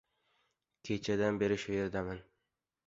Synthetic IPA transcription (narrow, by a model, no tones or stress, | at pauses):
kʲʰe̞t͡ʃʰad̪anbe̞ɾɪʃʊje̞ɾd̪aman